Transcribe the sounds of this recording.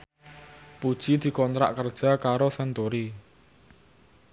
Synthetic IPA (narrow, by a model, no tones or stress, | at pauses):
pud̥ʒ̥id̪̥i̤kɔnt̪ɾa̰ʔkərd̥ʒ̥a̤kaɾosɛnt̪uɾi